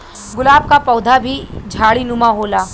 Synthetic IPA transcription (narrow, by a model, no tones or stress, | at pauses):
ɡʊlaːb̚kapɔːd̪ʱabʱid͡ʒʱaːɽinʊmaɦoːlaː